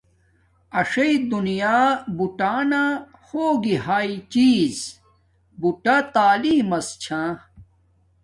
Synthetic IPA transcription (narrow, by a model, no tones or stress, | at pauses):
ɐʂɐid̪unijaːbuʈaːna | hoːɡihaːit͡ɕiːz | buʈat̪aːliːmɐst͡ɕʰãː